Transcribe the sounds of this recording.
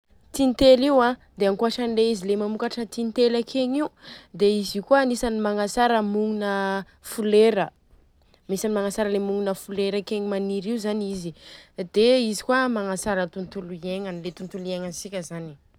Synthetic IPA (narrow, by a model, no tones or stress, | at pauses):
t̪int̪eliwã | d̪eaŋkuaʈ͡ʂanleizilemamukaʈ͡ʂət̪init̪elakʰeɲiud̪eizikuanisanimaŋasaɾəmuŋunə | fuleɾə | misanimaŋasaɾəlemuŋinəfuleɾəkeɲimaniɾiuzanizid̪̥eizi̥kuamaŋasaɾət̪unt̪uluieŋənilet̪unt̪ulieŋənsikʲəzani̥